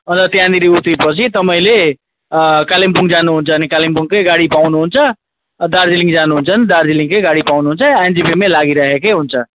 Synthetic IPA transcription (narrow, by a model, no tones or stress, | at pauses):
ʌnt̪ʌt̪jãnd̪iɾiut̪ipʌt͡sʰit̪ʌmʌĩle | kalimpuŋɡd͡zanuɦunt͡sʰʌːnikalimpuŋkʌjɡaɽipawnuɦunt͡sʰʌ | d̪aɾd͡zilĩŋɡd͡zanuɦunt͡sʰʌnd̪aɾd͡zilĩŋkʌjɡaɽipawnuɦunt͡sʰʌend͡ʒibimelaɡiɾʌɦekeɦunt͡sʰʌ